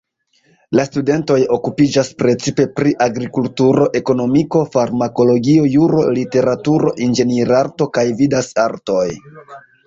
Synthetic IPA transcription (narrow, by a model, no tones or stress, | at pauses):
lastude̞nto̞jo̞kupid͡ʒaspɾe̞t͡sipe̞pɾiʔaɡɾikultuɾo̞ʔe̞ko̞no̞miko̞faɾmako̞lo̞ɡio̞juɾo̞lite̞ɾatuɾo̞ʔind͡ʒe̞niɾaɾto̞kajvidasaɾto̞j